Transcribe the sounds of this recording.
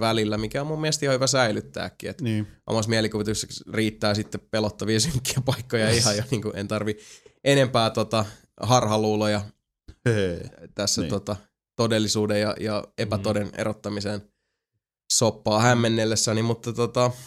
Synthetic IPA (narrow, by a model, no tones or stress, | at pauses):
ʋælilːæmikæomummiæest̪ihɑ̃hyʋæsæilyt̪ːæ̰ːkːiet̪ːo̰mɑsmielikuʋit̪usːekriːt̪ːæːsit̪ːeppelot̪ːɑʋiesyŋkːiæpɑikːojɑihɑjoniːŋkuʔḛnt̪ɑrʋiʔenempæːt̪ot̪ɑ | hɑrhɑluːlojɑ | t̪æsːæt̪ot̪ɑ | t̪odelːisuːdejjɑ̰jɑepæt̪odenḛʔot̪ːɑmisen | sopːɑːhæmːenːelːesːænimmut̪ːɑt̪ot̪ɑ